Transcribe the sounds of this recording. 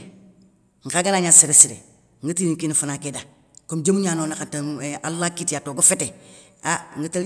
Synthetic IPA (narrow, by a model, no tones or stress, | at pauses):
ŋ̩kaɡanaːɲaseɾesiɾḛ | ŋɡətiniŋkinifunakeda | komd͡ʒemuɲaːnoːnakataalːakitjatoɡafete | aŋɡəta